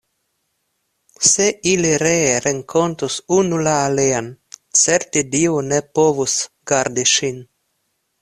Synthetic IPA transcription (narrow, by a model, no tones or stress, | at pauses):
seiliɾeɾeŋkʰo̞nt̪usunulaːleant͡seɾt̪id̪iunepovusɡ̥aɾd̪iʃin